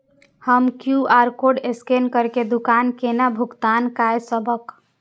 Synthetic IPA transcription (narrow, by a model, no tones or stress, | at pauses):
həmkjuaɾkoɖeskenkəɾked̪ukankenabʱukt̪ankaesəbʱək